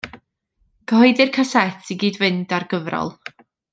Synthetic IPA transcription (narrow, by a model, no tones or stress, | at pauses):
kʰəɦɔɨdɪrkʰasɛtʰiɡiːdvɨndarɡəvrɔ̰lˠ